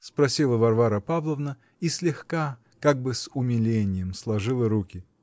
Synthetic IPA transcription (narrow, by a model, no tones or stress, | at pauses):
spɾɐsʲilˠəvɐrvaɾəpavlˠəvnə | isʲlʲɪxka | kaɡ̚bɨsʊmʲɪlʲenʲɪjəmslˠɐʐɨlˠəɾukʲɪ